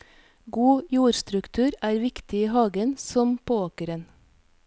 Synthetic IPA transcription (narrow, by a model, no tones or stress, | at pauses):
ɡuːjuːɾst̪ɾʉkt̪ʰʉːɾæːɾʋɪkt̪ɪiːhɑːɡənsɔmpʰoːoːkəɾən